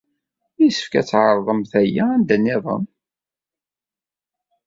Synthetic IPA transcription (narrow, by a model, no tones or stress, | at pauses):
jisə̥fkæt͡sːʕəɾˤðˤəmθæjæænd̪ænːɪðˤə̰m